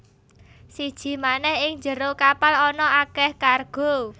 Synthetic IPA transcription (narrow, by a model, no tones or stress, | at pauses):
sid̥ʒ̥i̤manɛhɪŋɲd͡ʒəɾokapalɔnɔʔakɛhkarɡ̥o̤